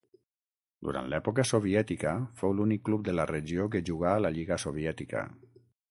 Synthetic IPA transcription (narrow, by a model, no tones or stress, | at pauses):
d̪uɾa̰nt̪lɛpukəsoβiɛt̪ikəfowlunikːlup̚d̪ələrəʒiok̬əʒuɣ̞aːləʎiɣəsoβ̞iɛt̪ikə̰